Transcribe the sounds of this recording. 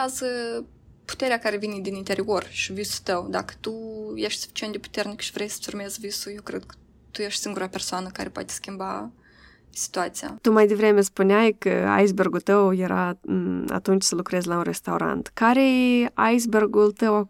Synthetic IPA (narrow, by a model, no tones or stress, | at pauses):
azə | pu̥t̪eɾeakaɾevined̪inint̪eɾio̞rʃivisu̥t̪əwd̪a̰kə̥t̪ujeʃt̪ʲsu̥fi̥t͡ʃient̪epu̥t̪ernikʃi̥vɾejsə̥urmezvisujewkɾed̪̚kə̥ | t̪ujeʃt̪ʲsiŋɡuɾapersoanəkaɾepoa̰t̪ʲe̥skʲimba | si̥t̪uat̪sija̰t̪umajd̪e̞vɾe̞mespuneajkə̰a̰jsberɡult̪əwje̞ɾʔaa̰t̪unt͡ʃʲsəlukɾezʲlaunre̞st̪awɾa̰nt̪kaɾea̰js̬berɡult̪əwa